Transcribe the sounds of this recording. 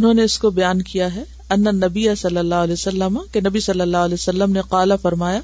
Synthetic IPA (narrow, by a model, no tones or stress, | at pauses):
ʊnɦõːneʊskobɐjaːnkijaɦɛ | ɐnːanːɐbijasɐlːəlːaːɦlɛːsɐlːəmakenɐbisɐlːəlːaːɦɐlɛːsɐlːəmneqaːlafɐɾmaːjaː